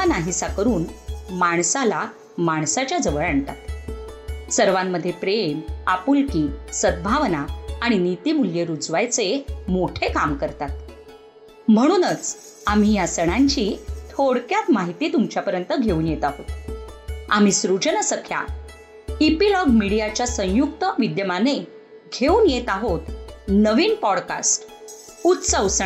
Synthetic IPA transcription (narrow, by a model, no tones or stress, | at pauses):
anaɦisakəɾuːnmaɳsala | maɳsat͡ɕjad͡zəʋəɭaɳt̪at̪ | səɾʋamːəd̪ʱːjepɾemapulkiːsəd̪̚bʱaʋnaaɽ̃init̪iːmuljeɾud͡zʋajt͡semoʈʰekamkəɾt̪at̪ | m̤əɽ̃uːnət͡s | am̤ijasəɽ̃aɲt͡ɕit̪ʰoɽkjat̪maɦit̪iːt̪umt͡ɕjapəɾjənt̪əɡʱeuːnjet̪aɦot̪ | a̰m̤isɾud͡ʑənəsəkʰja̰ | ipilɔɡmiɽijat͡ɕjasə̃j̃juk̚t̪əʋid̪jəmane | ɡʱeuːnjet̪aɦot̪nəʋiːnpɔɽka̰sʈ | ut̪səʋs